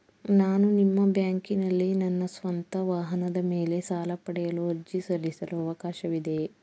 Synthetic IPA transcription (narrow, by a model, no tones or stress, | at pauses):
naːnunimːɐbjaːŋkinɐlːinɐnːɐsʋɐnt̪ɐʋaːɦɐnɐd̪ɐmeːle̞saːlɐpɐɽɛjɐluɦɐɾd͡ʒisɐɾisɐluɐʋɐkaːʃɐʋid̪e̞